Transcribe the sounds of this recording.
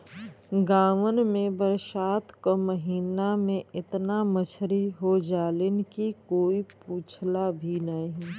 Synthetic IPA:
ɡaːʋənmẽbəɾʃaːt̪koməɦiːnamẽɪt̪namət͡ʃʰɾiɦod͡ʒaːlɪnkikoːipuːt͡ʃʰlabʱinaiɦɛ

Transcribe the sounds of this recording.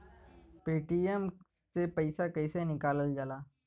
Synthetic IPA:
peːʈijəm | sepɐɪsakɐɪsenɪkaːləld͡ʒaːlaː

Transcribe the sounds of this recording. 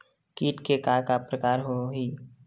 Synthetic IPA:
kiːʈkekakapɾəkaːɾɦoɦiː

